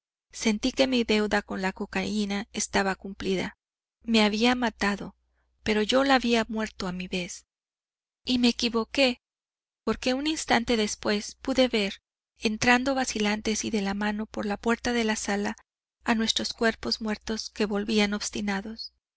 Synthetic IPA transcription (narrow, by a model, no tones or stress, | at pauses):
se̞nt̪ike̞miðe̞wðako̞nlako̞kainae̞st̪aβakumpliða̰ | me̞aβiamat̪aðo̞ | pe̞ɾo̞ʝo̞laːβiamwe̞ɾt̪o̞amiβe̞s | ime̞ːkiβo̞ke̞ | po̞ɾke̞uninst̪ant̪e̞ðe̞spwe̞spuðe̞βe̞ɾ | ent̪ɾand̪o̞βasilant̪e̞siðe̞lamãno̞po̞ɾlapwe̞ɾt̪aðe̞lasalaː | nwe̞st̪ɾo̞skwe̞ɾpo̞zmwe̞ɾt̪o̞ske̞βo̞lβiano̞βst̪inaðo̞s